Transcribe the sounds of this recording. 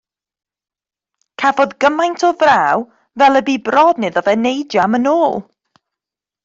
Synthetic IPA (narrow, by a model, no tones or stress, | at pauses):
kʰavɔðɡəmajntʰɔvraːw | vɛlˠəbiːbrɔːdnɨðɔvɛnejdjamənoːlˠ